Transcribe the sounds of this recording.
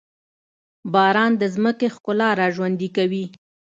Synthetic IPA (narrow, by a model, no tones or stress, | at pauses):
bɑɾɑnd̪əzməkexkʊlɑɾɑʒwand̪ikawi